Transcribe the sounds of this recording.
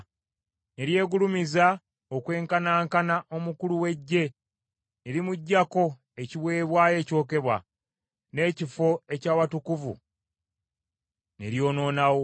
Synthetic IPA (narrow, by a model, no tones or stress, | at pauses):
ne̞ɾje̞ːɡulumiza | okwe̞ːŋkanaːŋkanaʔo̞mukuluwe̞ɟːe̞ | neɾimuɟːako̞ | eciβwe̞ːβwaːje̞ːco̞ːke̞βwa̰ | ne̞ːcifo̞e̞caːwatukuvṵ | ne̞̰ɾjo̞ːno̞ːnawo̞